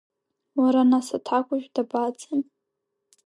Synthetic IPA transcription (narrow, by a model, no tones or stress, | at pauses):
waɾanasatʰakʷʼʊʒᶣdabat͡sʰʼən